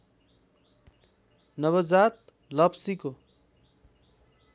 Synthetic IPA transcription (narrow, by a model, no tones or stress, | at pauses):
nʌβʌd͡zat̪̚ | lʌpsiko